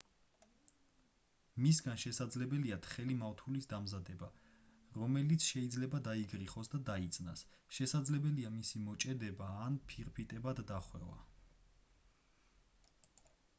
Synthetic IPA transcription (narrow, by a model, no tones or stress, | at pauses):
misɡanʃɛsad̪zlɛbɛliat̪ʰχɛlimaft̪ʰulisd̪amzad̪ɛba | ɾɔmɛlit̪sʰʃɛid̪zlɛbad̪aiɡɾiχɔsd̪ad̪ait̪sʼna̰sʃɛsad̪zlɛbɛliamisimɔt͡ʃʼɛd̪ɛbaːnpʰiɾpʰit̪ʼɛbad̪ːaχwɛ̰va̰